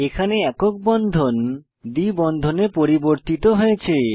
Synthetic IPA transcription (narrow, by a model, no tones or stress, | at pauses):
ekʰaneɛkok̚bɔnd̪ʱon | d̪ibɔnd̪ʱonepoɾiboɾt̪it̪oɦoet͡ɕʰe